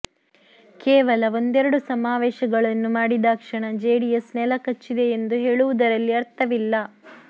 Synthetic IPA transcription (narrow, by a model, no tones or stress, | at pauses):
keːʋɐlɐo̞nd̪ɛɾɐɽusɐmaːʋɛːʃɐɡɐɭɐnːumaːɽid̪aːkʂɐɳɐd͡ʒeːɽijɐsnɛlɐkɐt͡ʃːid̪e̞ːnd̪uɦe̞ːɭuʋud̪ɐɾɐlːiɐɾt̪ʰɐʋilːɐ